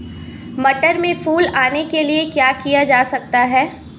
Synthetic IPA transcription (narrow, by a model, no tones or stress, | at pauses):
mɐʈəɾmẽfuːlaːnekeliekjaːkijad͡ʒaːsɐk̚t̪aɦɛː